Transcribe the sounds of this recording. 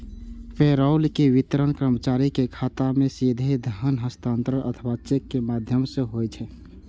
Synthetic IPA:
pʰeɾaʊlkeʋit̪ɾənkɾəmət͡ʃaɾikekʰat̪amesid̪ʱed̪ʱəɦənɦəst̪ãnt̪ɾəɾʔə̰t̪ʰəbat͡ʃekːemad̪ʱjəmsẽɦojt͡ʃʰɛ

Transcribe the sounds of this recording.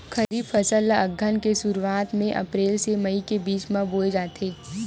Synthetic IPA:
kɐɾiːbfʰɐsəlɐɡʱənkesuɾuwaːt̪mẽʔɐ̰pɾeːlsemɐikebiːt͡ʃmãboːed͡ʒaːt̪eː

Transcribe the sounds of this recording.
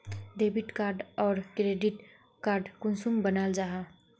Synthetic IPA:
ɖebiʈkaːɾɖɔːɾkɾeːɖiʈ | kaːɾɖkʊnsumbənald͡ʒaɦa

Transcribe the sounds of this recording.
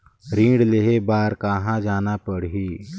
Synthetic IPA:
ɾĩːɽleɦebaːɾkaɦãd͡ʒaːnapəɽɦiː

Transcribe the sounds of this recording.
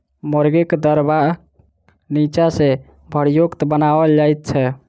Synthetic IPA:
məɾɡekd̪əɾba | nit͡ʃase | bʱəɽjokt̪bənabəd͡ʒajt̪̚t͡ʃʰɛ

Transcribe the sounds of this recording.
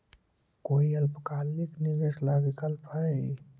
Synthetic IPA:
koːiɐlpkaːlːikniʋeːslabikəlpʰa

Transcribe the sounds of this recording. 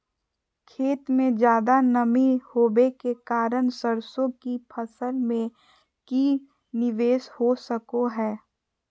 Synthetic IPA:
kʰeːt̪mẽd͡ʒjaːd̪anɐmihoːbekekaːɾənsəɾsõkipʰɐsəlmẽ | ki | nɪʋeːshosəkoɦɛː

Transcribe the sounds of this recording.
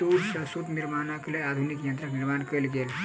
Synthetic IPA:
t̪uɾsəsut̪niɾmanaklead̪ʱunikjənt̪ɾakniɾmankəɾlɡel

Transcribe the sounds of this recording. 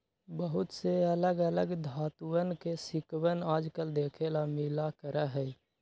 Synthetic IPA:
bəɦʊt̪seələɡələɡd̪ʱaːt̪uənkesɪkwənaːd͡ʒkəld̪eːkʰelamɪlakəɾəɦɛː

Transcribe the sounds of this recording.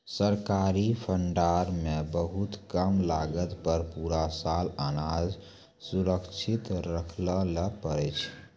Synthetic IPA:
səɾkaɾipʰəɳɖaɾmebəɦut̪kəmlaɡət̪pəɾpuɾasalənad͡ʒ | suɾəkt͡ʃʰit̪ɾəkʰlələpəɾɛt͡ʃʰ

